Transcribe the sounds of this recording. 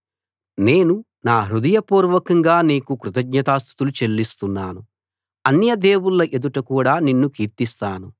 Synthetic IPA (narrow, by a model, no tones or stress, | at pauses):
ne̞ːnu | naːɦɾud̪ɐjɐpuːɾʋɐkɐŋɡaːneːkukɾut̪ɐɡɲɐt̪aːst̪ʰu̥t̪ulut͡ʃelːist̪unːaːnu | ɐnjɐd̪eːwulːɐʔed̪uʈɐkuːɽaːninːukiːɾt̪ist̪aːnu